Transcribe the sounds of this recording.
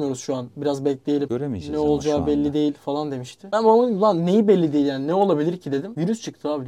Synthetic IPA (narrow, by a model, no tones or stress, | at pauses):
mɯjo̞ɾuzʃuanbiɾazbɛclʲe̞jeimɾenɛo̞lˠd͡ʒaːbɛlʲːid̪e̞jilʲfalˠand̪e̞miʃt̪ʰɪb̥ænbamaɯlˠanne̞jibɛlʲːid̪e̞jilʲjaːninɛo̞lˠabilʲiɾcʰid̪e̞d̪imviɾyst͡ʃʰɯk̚t̪ʰɯaːbi